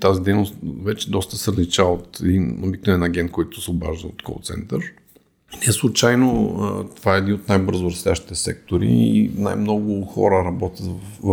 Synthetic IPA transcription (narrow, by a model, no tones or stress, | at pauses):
t̪azid̪ɛjnost̪vɛt͡ʃɛd̪ɔst̪əsɛɾlit͡ʃaot̪ɛd̪inobiknvɛnɐɡɛnt̪̚kɔjt̪ʊ̥sɛoba̰ʒnot̪ko̰t̪sɛ̰nt̪əɾ | nɛslˠʊt͡ʃajno̰t̪ovaɛɛd̪inot̪najbɤɾzʊɾɐslʲaʃt̪i̥t̪ɛsɛ̰k̚t̪oɾḭna̰jmnɔɡʊxɔ̰ɾəɾɐbɔt̪ʲət̪ː